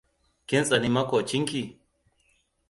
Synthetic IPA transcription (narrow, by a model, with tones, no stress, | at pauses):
kɪ˦nsʼɐ˨ni˦mɐ˦ko˨t͡ʃi˦ŋki˨